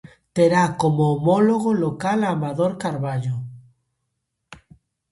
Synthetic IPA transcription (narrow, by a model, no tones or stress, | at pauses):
t̪eɾakomoːmoloɣ̞olokalamaðoɾkaɾβaʎo